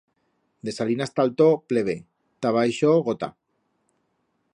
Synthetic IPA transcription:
d̪esalinast̪alt̪opleβ̞e | t̪aβajʃoɣot̪a̰

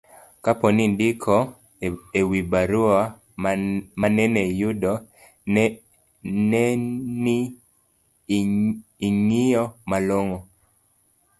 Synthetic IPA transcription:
kapɔnindɪkʰɔ | ewibaɾua | manɛnɛjudɔ | nɛni | ŋijɔmaloŋɔ

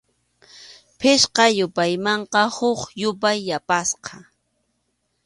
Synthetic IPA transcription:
pʰɪʃqɑjʊpajmɑɴqɑhʊχjʊp̬ajːapasqɑ

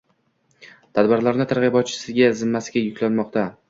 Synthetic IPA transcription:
t̪ʰad̪bɪɾlaɾnɪt̪ʰaɾʁɨbɒt̪̚t͡ʃʰɪ̥sɪɡʲazɪmːasɪɡʲajʊkʲʰlanmɒqt̪a

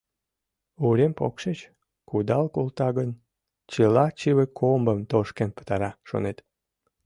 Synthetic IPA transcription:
uɾempo̰kʃet͡ɕ | kud̪ɑlkolt̪ɑɣən | t͡ɕəlɑt͡ɕiβekʰombəmt̪oʃkempə̥t̪ɑɾɑʃo̰net̪

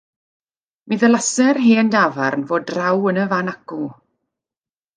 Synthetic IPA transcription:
miðəlˠasɛrɦeːndavarnvoːdrawənəvanaku

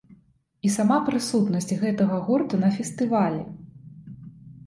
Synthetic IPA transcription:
isamapɾɨsut̪nɐsʲt͡sʲɣɛt̪ɐɣɐɣurt̪unɐfʲɛst̪ɨvalʲɛ

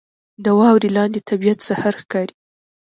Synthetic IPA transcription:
d̪əwɑwɾilɑnd̪et̪ʰabijat̪sahaɾxkɑɾi

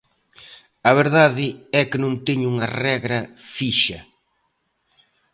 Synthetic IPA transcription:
ɐβeɾðaðɪɛkɪnõŋt̪eɲuŋɐrɛɣɾɐfiʃɐ

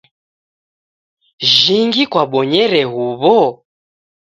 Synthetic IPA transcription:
ʒiŋɡikwaɓɔɲɛɾɛɦuβɔ

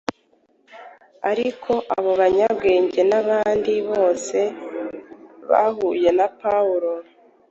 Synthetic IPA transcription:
aɾikʰo̞ʔaβo̞βaɲabɡe̞ːɲɟe̞naβaːndiβo̞ːse̞ | βa̰ɦuːje̞napauɾo̞

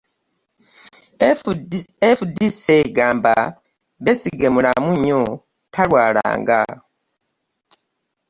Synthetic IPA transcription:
efudiseɡaːmba | βesiɡemulamuɲo | tʰalwaːla̰ːŋɡa̰

